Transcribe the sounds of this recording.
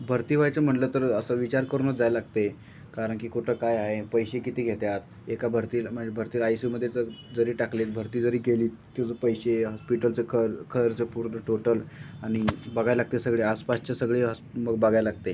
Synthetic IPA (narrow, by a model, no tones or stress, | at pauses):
bʱəɾt̪iːʋ̤ajt͡səm̤əʈlət̪əɾəsəʋit͡ɕaɾkəɾunəd͡zajlaɡt̪e | kaɾəɳkiːkuʈʰəkajaɦepəjɕekit̪iːɡʱet̪jat̪̚ | ekabʱəɾt̪iːlm̤əɳd͡zebʱəɾt̪iːlajsiːməd̪ʱːjet͡səd͡zəɾiːʈakliːt̪bʱəɾt̪iːd͡zəɾiːkeliːt̪̚kod͡zəpəjɕeɦɔspiʈəlt͡sekʰəɾkʰəɾt͡sepuɾd̪əʈoʈəlaɽ̃ibaɡʱajlaɡ̚t̪esəɡɭeaspast͡ɕasəɡɭeɦsməɡbaɡʱajlaɡ̚t̪e